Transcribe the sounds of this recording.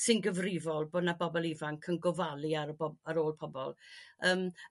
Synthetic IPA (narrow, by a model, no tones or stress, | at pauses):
sɪnɡəvrɪvɔlˠboːdnabɔbɔlˠivaŋkʰənɡɔvalˠiaɾəbɔaɾoːlˠpʰɔbɔ̰lˠəːm